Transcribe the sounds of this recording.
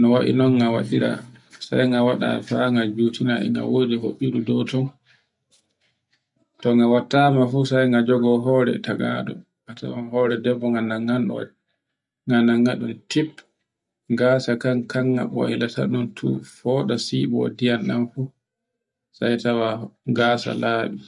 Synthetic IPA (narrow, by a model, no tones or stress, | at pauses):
nɔwaʔḭnɔnɡawaɗiɾa̰sa̰jŋɡawaɗa̰faŋɡad͡ʒutinaɛ̰ŋɡa̰wodiho̰ɓːiɗudɔtɔn | tɔŋɡawatːaːmafusajŋɡad͡ʒɔɡɔɦɔːɾɛ̰taɡa̰ɗɔ̰ | ŋata̰wanhɔːɾɛdɛbːɔŋɡanaŋːanɗɔ̰ | ŋɡanaŋɡaɗuntʰip | ŋɡaːsakankaŋːa̰ɓɔ̰ɛlata̰ɗuntʰṵfɔːɗasiɓɔ̰dijanɗanfu | sajtawaŋɡaːsa̰laːɓi